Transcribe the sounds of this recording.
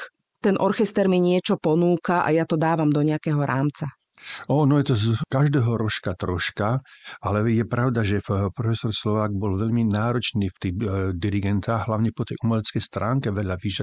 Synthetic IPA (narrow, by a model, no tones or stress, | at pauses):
t̪ɛnʔɔɾxɛst̪ɛɾmiɲɪɛt͡ʃɔpɔnuːkaʔa̰jat̪ɔd̪aːʋamd̪ɔɲɛakɛɦɔɾʔaːmt͡sa | ɔnɔjɛt̪ɔkaʒd̪ɛːɦɔɾɔʃkat̪ɾɔʃkaalɛjɛpɾaʊd̪aʒɛpɾɔfɛsɔɾslɔʋaːɡ̚bɔlʋɛʎminaːɾɔt͡ʃniːft̪ibd̪iɾiɡɛnt̪aːɣɦlaʊɲɛpɔt̪ɛjʔumɛlɛt͡skɛjst̪ɾaːŋkɛʋɛʎaʋiʒa